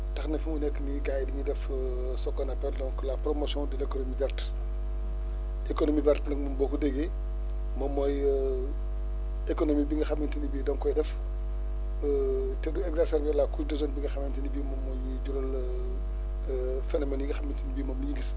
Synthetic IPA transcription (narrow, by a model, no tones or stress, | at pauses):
tɐxnɛfumunɛkːniɡajdiŋidɛf | sɔkːɔnɐpɛldɔŋklapɾɔmosjɔ̃ndilekonomibɛrt | ekonomibɛɾtnɐk̚mɔmbɔkudɛɡe | mɔmːɔj | ekonomibiŋɡɐxamintinibiːdɔŋkɔjdɛf | tɛduɛɡzasɛɾbɛlakusdɔzɔnbiŋɡɐxɐmɛntinibiːmɔmːɔjuɟuɾɔl | fɛnɔmɛnjiŋɡɐxamintinibiːmɔmuɲiɡis